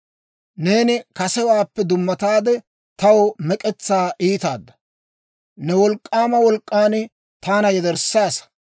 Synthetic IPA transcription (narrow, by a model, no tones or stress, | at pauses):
ne̞ːnɪkɐsɛwaːpːɛd̪ʊmːɐt̪aːd̪ɛ | t̪ɐwɔmɛkʼɛt͡sːaːʔiːt̪aːd̪ːɐ | nɛwɔlkʼːaːmɐwɔlkʼːaːnɪ | t̪aːnɐjɛd̪ɛɾsːaːsɐ